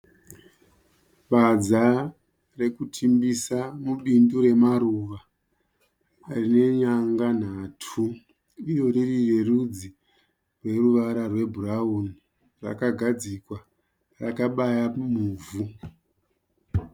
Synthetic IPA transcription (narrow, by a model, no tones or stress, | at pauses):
ɓad͡za | re̞kutʰimbisamuɓinduɾe̞maɾuʋa | rine̞ɲaŋɡan̤atʰu | ijo̞ririre̞rud͡zi | rwe̞ruʋaɾarwe̞bʱurauni | ra̰kaɡʱad͡zikwa | ra̰kaɓajamuːvu